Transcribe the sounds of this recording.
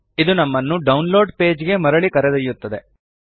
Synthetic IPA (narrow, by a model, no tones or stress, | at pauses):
id̪unɐmːɐnːuɖɐwnlo̞ːɖpe̞ːd͡ʒiɡe̞mɐɾɐɭikɐɾed̪ɐjːut̪ːɐd̪e̞